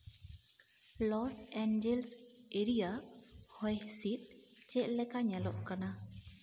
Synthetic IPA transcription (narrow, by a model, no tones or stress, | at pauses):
lɔsɛnd͡ʒɛls | eɾijahɔjhsit̪̚ | t͡ʃɛʔ̪̚lɛkaɲalɔʔkana